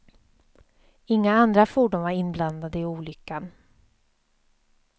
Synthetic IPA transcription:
ɪŋːaand̪ɾafuːɖuːnvaɾɪnbland̪ad̪əɪuːlʏkːan

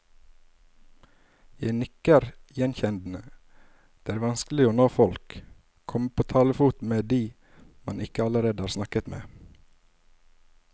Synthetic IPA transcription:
jæɪnʏkəɾjɛnçɛnd̪n̩ə | d̪̥eːæːɾʋɑnskl̩ɪoːnoːfɔlk | kʰːɔməpʰoːt̪ʰɑːləfuːt̪meːd̪iː | mɑnɪkəɑləɾeːd̪əhɑːɾsnɑkət̪mḛː

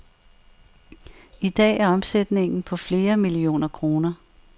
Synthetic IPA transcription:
id̥ɛ̰ːæɐɒ̽msed̥ne̝ŋn̩pʰɒ̽fle̝ːɐmilio̝̰ːnɐkʰʁo̝ːnɐ

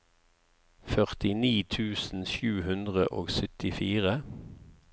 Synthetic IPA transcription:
fœʁt̪ɪniːt̪ʰʉːsn̩ʃjʉːhʉnd̪ʁəʔoːɡsœt̪ɪfiːʁə

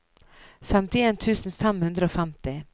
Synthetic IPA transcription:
fɛmt̪ɪeːnt̪ʰʉːsn̩fɛmhʉnd̪ɾəoːfɛmt̪ɪ

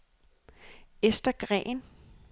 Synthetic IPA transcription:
esd̥ɐɡ̥ʁɛ̰ːn

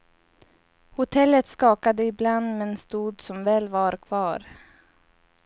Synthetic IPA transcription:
hʊt̪ʰɛlːət̪skɑːkad̪əɪbland̪mɛnst̪uːd̪sɔmvɛːlvaɾkʰv̥ɑːɾ

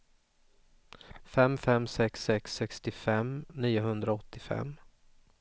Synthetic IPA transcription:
fɛmfɛmsɛksɛksːɛkst̪ɪfɛmniːʊɦɵnd̪ɾaɔt̪ːɪfɛ̰mː

